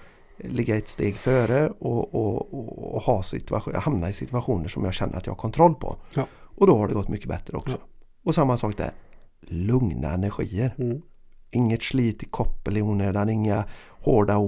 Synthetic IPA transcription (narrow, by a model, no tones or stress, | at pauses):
lɪɡːaɛt̪st̪eːɡføːɾəɔɔ | hɑːsɪ̰t̪ahamnaɪsɪt̪ɵaɧuːnəʂɔmjɑ̰ːɡɕɛnːə̰ɾat̪jɑ̰hakʰɔnt̪ʰɾɔlːpʰɔ̰ʔɔd̪ɔhaɖɛɡɔt̪ːmʔʏkːəbɛt̪ɾəɔ̰ksɔ̥ | ɔsamːasɑːk̚d̪æ̰ɾ | lɵŋna̰ɛnæɾɧḭːəɾ | ʔɪŋːət̪ʂliːt̪ɪkʰɔpːəlɪuːnøːd̪anɪŋːa | hoːɖa